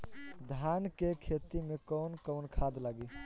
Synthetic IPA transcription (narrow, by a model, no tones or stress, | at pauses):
d̪ʱankekʰet̪imekɔʊnkɔʊnkʰad̪laɡi